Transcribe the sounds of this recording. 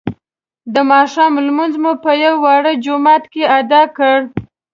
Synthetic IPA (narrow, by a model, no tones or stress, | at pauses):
d̪əmɑʃɑmlmunzmupəjawːɑɽəd͡ʒʊmɑt̪kead̪ɑkəɽ